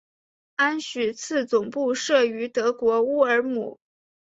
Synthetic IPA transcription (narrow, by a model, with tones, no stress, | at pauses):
a˥nɕy˨˩t͡sʰɹ̩˥˩t͡sʊ˨˩ŋpu˥˧ʂɤ˥˩y˧˥t̪ɤ˧˥kwɔ˧˥u˥ə˞˧˥mṵ˨˩˦